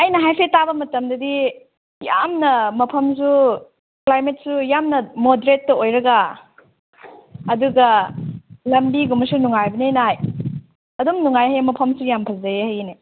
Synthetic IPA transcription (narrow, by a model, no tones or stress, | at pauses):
ɐjnɐɦajpʰetabɐmɐtɐmdɐdi | ja̰mnɐmɐpʰɐmsu | klajmet̚sujamnɐmodeɾetːɐojɾɐɡa | ɐduɡɐ | lɐmbiɡumɐsunuŋajbɐnenaj | ɐdumnuŋajɦɐjmɐpʰɐmsujampʰɐzɐjehɐjne